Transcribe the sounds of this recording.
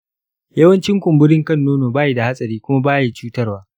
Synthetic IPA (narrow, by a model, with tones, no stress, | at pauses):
jɐ˦wɐ˦nt͡ʃɪ˦ŋkʷʊ˨mbʊ˦ɽɪ˦ŋkɐ˦˨nːoː˦noː˨baː˦je˦da˨ha˦sʼɐ˨ɾiː˦kʷʊ˦ma˦baː˦je˨t͡ʃuː˦tɐ˦rwaː˦